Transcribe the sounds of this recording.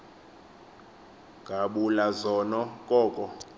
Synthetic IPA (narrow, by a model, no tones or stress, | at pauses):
ɡʱaɓulazɔnɔkʼɔːkʼɔ